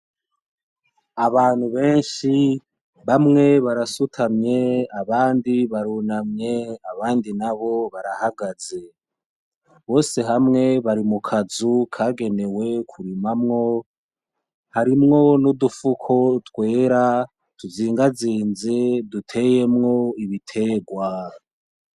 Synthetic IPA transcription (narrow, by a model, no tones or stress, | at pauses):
aβaːn̥huβe̞ːnʃi | βamŋe̞βaɾasutʰamɲe̞aβaːndiβaɾuːnamɲe̞aβaːndinaβo̞βaɾahaɡaze̞ | βo̞ːse̞ɦamŋe̞βaɾimukʰazukʰaːɡe̞ne̞we̞kʰuɾimamŋo̞ | haɾimŋo̞nudufukʰo̞twe̞ːɾa | tʰuziːŋɡaziːnze̞dutʰe̞ːje̞mŋo̞iβitʰe̞ɡwa